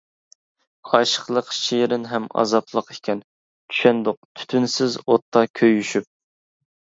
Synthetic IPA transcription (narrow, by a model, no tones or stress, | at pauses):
ɑʃə̥χlˠəqʃejɾɪnɦɛmɑ̰zɑpʰlˠəqe̥kʲʰɛn | t͡ʃ̪ʰy̥ʃɛnd̪ʊq̚t̪ʰy̥t̪ʰynsɪzot̪ʰːɑkʲʰøjyʃyp̚